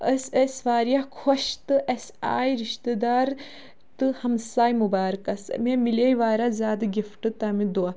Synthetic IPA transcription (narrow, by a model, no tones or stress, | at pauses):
əsɐsʋaːɾijɐkʰoʃt̪ɨʔɐsa̰ːjɾiʃt̪əd̪aːɾ | t̪ɨhɐmsaːjmubaːɾkɐsmemilejʋaːɾazaːd̪ɨɡʲifʈɨt̪ɐmid̪ua